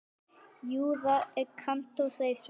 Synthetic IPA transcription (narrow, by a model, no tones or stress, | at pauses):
juːðaɛkʰam̥t̪osajs